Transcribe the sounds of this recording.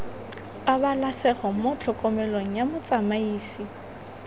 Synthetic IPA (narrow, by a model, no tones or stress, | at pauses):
abalasɛχɔmʊt͡ɬʰɔkʼɔmɛloŋ̩jamʊt͡sʼamaiːsi